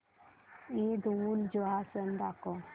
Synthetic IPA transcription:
id̪uld͡ʒoasənd̪ako

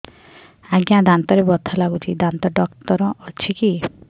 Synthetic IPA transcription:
aɡjãd̪ant̪ɔɾebɔt̪ʰɔlaɡut͡ʃʰid̪ant̪ɔɖɔkt̪ɔɾɔɔt͡ʃʰiki

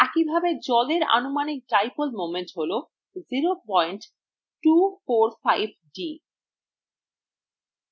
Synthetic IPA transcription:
ɛkibʱabed͡ʑɔleɾa̰numanik̚ʈajpolmomenʈɦolo | ziɾopɔjɳʈ | ʈufoɾfajb̚ʱɖi

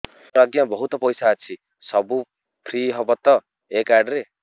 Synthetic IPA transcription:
ɾʌɡjʌbʌɦut̪ʌpʌjsaːt͡sʰi | sʌbu | pʰriɦʌbʌt̪ːʌ | ekaɖɾe

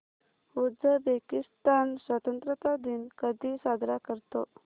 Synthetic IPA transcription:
uəbekist̪ansʋət̪ənt̪ɾət̪ad̪inkəd̪ʱisad̪ʱɾakəɾt̪o

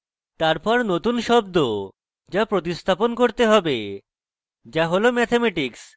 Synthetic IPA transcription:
t̪aɾpɔɾnot̪unʃɔb̚d̪o | d͡ʑapɾot̪ist̪ʰaponkoɾt̪eɦɔbe | d͡ʑaɦolomɛt̪ʰemɛʈiks

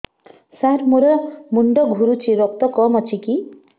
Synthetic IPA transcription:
saɾmoɾɔmuɳɖɔɡʱuɾut͡ʃʰiɾɔk̚t̪ɔkɔmɔt͡ʃʰiki

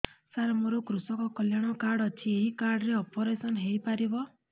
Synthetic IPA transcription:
saɾamoɾokɾusɔkɔkɔljaɽ̃ɔkaɾɽɔt͡ʃʰieɦikaɾɽɾeɔpɔɾesɔnɦejpaɾibɔ

